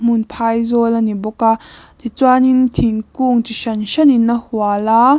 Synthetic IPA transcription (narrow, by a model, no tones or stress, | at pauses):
m̥unpʰajzɔlanibɔkat̪ʰit͡swanint̪ʰiŋkuŋt͡siʃɐnʃɐninːɐhuala